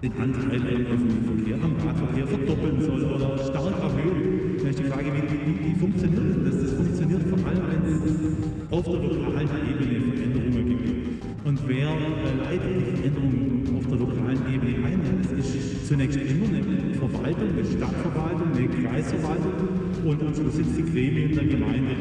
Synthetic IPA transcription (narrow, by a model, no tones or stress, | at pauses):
d̥enʔa̰ndaɪnʔɪɡŋ̩vasnmɪfɐkʰlḛːɐtʔaʊma̰ːtfɐkʰeːɐfɛɐd̥ɔpl̩nzɔloɐʃtaɐkamhøː | nɛɪçd̥iːfʁ̥aːɡəviːviviːviːfʊŋkt͡sjoniːɐtʊnd̥asd̥asfʊŋk̚t͡sjoniːɐtfɔɐʔaləmvɛnɛss | ʔaʊfd̥eːlʊʁʁɐhaltʔeːbənəfɛɐʔɛndəʁʊŋəɡ̥ɪpt | ʔʊntveːɐvaʔaɪɡən̩tlɪçfɛɐʔɛndəʁʊŋənʔaʊfd̥eːɐlokʰa̰ːlənʔeːbənəʔaɪnzɛsɪs | t͡sunɛːçstʔɪmɐnə | fɛɐva̰ltʊŋnɪʃta̰tfɛɐvaltʊŋnəɡʁa̰ɪsfɛɐvaltʊŋʊ | ʔʊntʔʊnzosɪt͡sd̥iːɡʁeːməɪndeɐɡəma̰ɪndə